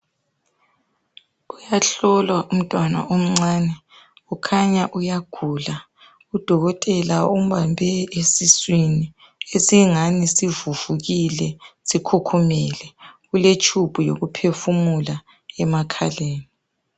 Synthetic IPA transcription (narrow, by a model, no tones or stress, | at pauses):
ujaɬɔlwaʔum̩tʼwana̰ʔom̩ŋ͡ǀaːnɛ | ukʰaɲaʔujaɡ̥ʱula | ud̥ʱɔɣɔtʼɛlaum̩βambʱɛesiswini | esiŋanisivuv̥uɣilɛsikʰukʰumilɛɣulet͡ʃʰʼub̥ʱujo̰ɣupʰefumula | ɛmakʰa̰leːni